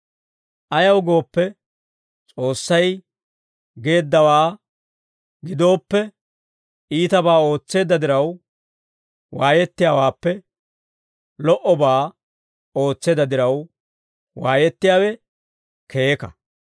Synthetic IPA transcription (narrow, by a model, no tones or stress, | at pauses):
ʔɐjɐwɡo̞ːpːɛ | t͡sʼo̞ːsːɐj | ɡe̞ːd̪ːɐwaː | ɡɪd̪o̞ːpːɛ | ʔiːt̪ɐbaːo̞ːt͡sːe̞ːd̪ɐd̪ɪɾɐw | waːjɛt̪ːɪjaːwaːpːɛ | lɔʔɔbaː | o̞ːt͡sːeːd̪ɐd̪ɪɾɐw | waːjɛt̪ːɪjaːwɛ | keːkɐ̰